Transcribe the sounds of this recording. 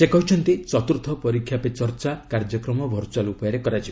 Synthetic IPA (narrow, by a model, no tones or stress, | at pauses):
sekɔɦut͡ʃʰɔnt̪it͡ʃɔt̪uɾt̪ʰɔpɔɾikʰːjapet͡ʃɔɾt͡ʃakaɾd͡ʒɔkɾɔmɔbʱɔɾt͡ʃalupɔjɔɾekɔɾat͡ʃʰi